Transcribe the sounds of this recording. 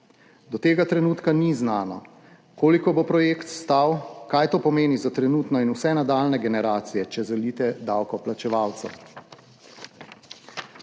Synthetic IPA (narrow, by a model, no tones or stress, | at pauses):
d̪ɔt̪eːɡat̪ɾɛnuːt̪kaniznaːnɔ̰ | koːlikɔbopɾɔjeːkt̪st̪awkajt̪oːpɔmeːnizat̪ɾɛnuːt̪nɔinusɛnad̪alnɛɡɛnɛɾaːt̪sijɛt͡ʃɛzɛliːt̪ɛd̪awkɔplat͡ʃɛʋawt̪sɛ̰w